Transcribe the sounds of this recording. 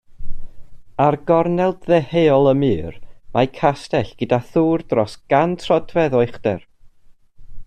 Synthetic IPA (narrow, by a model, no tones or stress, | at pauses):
arɡɔrnɛlˠdðɛheːɔlˠəmɨːrmakʰastɛɬɡ̥ədaθuːrdrɔsɡ̥antʰrɔdvɛðɔɨχd̥ɛr